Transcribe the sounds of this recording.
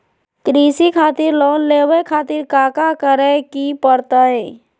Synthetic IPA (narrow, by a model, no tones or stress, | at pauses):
kɾiːsikʰaːt̪ɪɾlɔːnleːwekʰaːt̪ɪɾkaːkakəɾekipəɾt̪aɦɛː